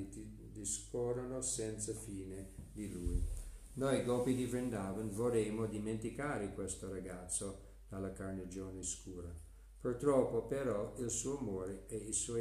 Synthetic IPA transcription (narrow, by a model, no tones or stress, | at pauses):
d̪ispɔːɾonosɛnt̪safiːned̪iluj | nojɡɔpid̪ivɾɛnd̪aːvənvoɾɛːmod̪iment̪ikaːɾekwɛst̪oɾaɡat̪sːo | d̪̥alːakarned͡ʒoːneskuːɾa | purt̪ɾɔpːopeɾɔilsuːoamɔːɾeɛisɔɔ